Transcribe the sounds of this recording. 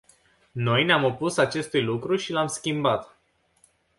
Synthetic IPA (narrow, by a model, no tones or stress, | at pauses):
no̞jneamo̞pusat͡ʃe̞st̪ujlukɾuʃilamskʲimbat̪